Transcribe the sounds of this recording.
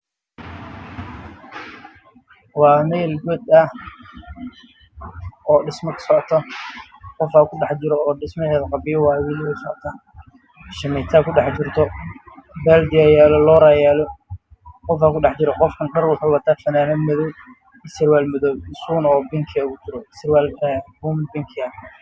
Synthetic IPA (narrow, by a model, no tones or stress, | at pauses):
wɑːmɛːlɡɔd̪ɐ | ɔːɖɪsmɐkʰɐ̥sɔʕt̪ʰɐ | qɔfaːkʰʊɖɑħt͡ʃɪɾɔɔːɖɪsmɐɦɛːðɐqɑbɪjɐwɑːwɪlsɔ̰ʕt̪ʰaː | ʃɐmɛt̪ʰaːkʰʊɖɑħt͡ʃɪrt̪ʰɔ | bɛːld̪ɪjaːjaːlɔlɔːɾaːjaːlɔ | qɔfaːkʰʊɖɑħt͡ʃɪɾɔqɔfkʰɐnɖɐrwʊħʊwɑt̪ʰaːfɐnaːnɐmɐðɔːb̚ | ɪsɪrwaːlmɐðɔːbɪsuːnɔːbɪŋkʰɪɐkʊt͡ʃɪɾɔɪsɪrwaːlːbumbɪŋkʰɪɐ